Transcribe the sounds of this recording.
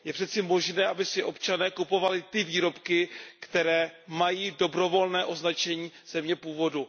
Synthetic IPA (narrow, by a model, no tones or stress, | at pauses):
jɛpr̥ɛt̪sɪmo̞ʒnɛːʔabɪsɪʔo̞pt͡ʃanɛːkupo̞valɪt̪ɪviːɾo̞pkɪkt̪ɛɾɛːmajiːdo̞bɾo̞vo̞lnɛːʔo̞znat͡ʃɛɲiːz̥ɛmɲɛpuːvo̞du